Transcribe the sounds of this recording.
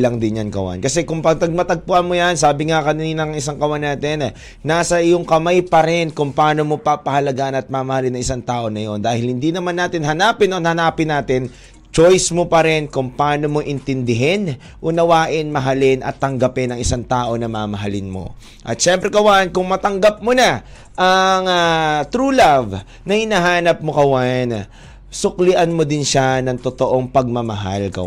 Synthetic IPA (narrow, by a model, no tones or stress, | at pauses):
lɐŋd̪ɪnjanɡɐwa̰nkɐsɛkʊŋpɐɡ̚t̪ɐɡ̚mɐt̪ɐɡ̚pʊʔɐnmojansaːbɪŋakɐniːnɐɐŋɪs̬aŋkɐwajnaːt̪ɛn | naːsɐʔɪjoŋkɐmajpɐɾɛnkʊŋpaːnomo̞papɐhɐlɐɡaːʔɐnɐt̪̚maːmɐhɐlɪnɐŋɪsaŋt̪aːʔo̞nɐjo̞nd̪aːhɪlhɪnd̪inɐmanːaːt̪ɪnɦɐnaːpɪnonhɐnaːpɪnːaːt̪ɪn | t͡ʃojsmopɐɾɪnkʊŋpaːnomoʔɪnt̪ɪnd̪ɪɦɛn | ʔʊnɐwaːʔɪnmɐɦɐlɪnʔɐ̰t̪ːɐŋɡɐpɛnɐŋɪsaŋt̪aːʔo̞nɐmaːmɐɦɐlɪnmo̞̰ | ʔɐ̰t̪̚ʃɛmpɾɛkɐwankʊŋmɐt̪ɐŋɡap̚mona | ʔɐŋat̪ɾuːlav | nɐhɪnaɦaːnɐp̚mokɐwan | sʊklɪʔɐnmod̪ɪnʃanɐŋt̪ot̪o̞ʔo̞ŋpɐɡ̚mɐmɐɦa̰lkɐ̰w